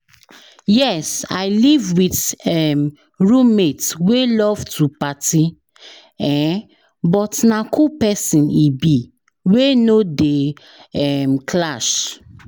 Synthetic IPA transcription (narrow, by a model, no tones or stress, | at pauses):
jɛsa̰ɪlivwitɛm | ɹũmetwelɔvtʰupati | ɛ̃ | bɔtnakʰupɛsĩnibi | wenode | ɛmkʰlaʃ